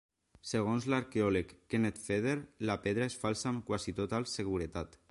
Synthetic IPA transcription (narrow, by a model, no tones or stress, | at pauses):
seɣ̞onzlaɾkeɔlekːenet̪feð̞eɾlapeðɾaesfalsaːmkwasit̪ot̪alseɣuɾet̪at̪